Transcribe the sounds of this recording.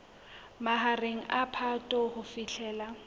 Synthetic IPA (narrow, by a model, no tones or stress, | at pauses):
maɦareŋ̩ʔapʰatʼɔhʊfiɬʰɛːla